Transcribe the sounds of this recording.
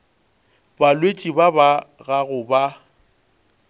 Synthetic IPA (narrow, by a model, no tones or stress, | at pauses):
balwet͡ʃʼibabaɣaɣʊba